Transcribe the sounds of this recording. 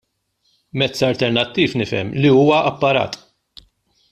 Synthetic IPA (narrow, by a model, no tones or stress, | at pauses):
mɛt͡sːɐlt̪ɛɾnɐt̪ːiːfnɪfɛ̰mliuːwɐʔɐpːɐɾɐ̰ːt̪